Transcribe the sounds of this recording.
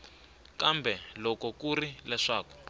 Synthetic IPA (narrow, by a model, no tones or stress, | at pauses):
kambʱɛlɔkɔkuɾilɛʂaːkɔ̥